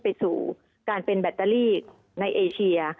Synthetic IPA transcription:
pa˧jsṵː˨˩ | kaː˧npe˧nbɛ˨˩t̪ːa˧liː˥˩k̚ | na˧jʔeː˧t͡ɕʰi˧ɐ

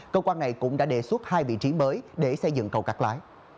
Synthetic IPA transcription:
kəː˧wkwaː˧nːa˨˩jkʊ̰˧˥ŋ͡mɗa̰ː˧˥ɗe˨˩su˦˥t̚haː˧jvḭ˧˨t͡ɕi˨˦məː˨˦jɗe˧˩sə˧jzɨ̰˧˨ŋkə˨˩wkaː˦˥k̚la̰ː˧˦j

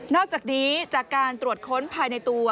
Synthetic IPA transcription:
nɔː˥˩k̚t͡ɕaː˨˩k̚niː˦˥t͡ɕaː˨˩kːaː˧nt̪ɾu˨˩ət̪̚kʰo˦˥npʰaː˧jna˧jt̪u˧ɐ

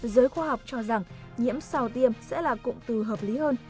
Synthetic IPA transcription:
zəː˨˦jxwaː˧ha˨˩wk͡p̚t͡ɕɔ˧za˨˩ŋ | ɲḭ˧˥əmsa˧˩wt̪i˧əmsɛ̰˧˥laː˨˩kʊ̰˧˨ŋ͡mt̪ɨ˨˩ɦəː˨˩p̚li˨˦həː˧n

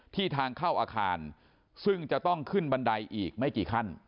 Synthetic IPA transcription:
t̪ʰiː˥˩t̪ʰaː˧ŋkʰaː˥˩wʔaː˧kʰaː˧n | sɯ˥˩ŋt͡ɕa˨˩ʔt̪ɔ˥˩ŋkʰɯ˥˩nba˧nda˧jʔiː˨˩k̚ma˥˩jkiː˨˩kʰa˥˩n

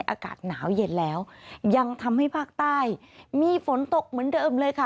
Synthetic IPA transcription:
jʔa̰ː˧ka̰ː˨˩t̪̚naː˩˦wje˧nlɛː˦˥wja˧ŋt̪ʰa˧mha˥˩jpʰaː˥˩k̚t̪aː˥˩j | miː˧fo˩˦nt̪o˨˩k̚mɯ˩˦əndɤː˧mlɤː˧jkʰa˥˩

